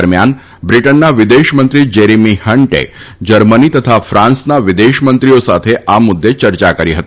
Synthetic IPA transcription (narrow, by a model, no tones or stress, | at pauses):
ɾmjan | bɾiʈənːaʋid̪eʃmənt̪ɾid͡ʑeɾimihəɳʈḛd͡ʒəɾmənit̪ət̪ʰafɾãnsnaʋid̪eʃmənt̪ɾijosat̪ʰeʔamud̪ːet͡ɕəɾt͡ʃakəɾiɦət̪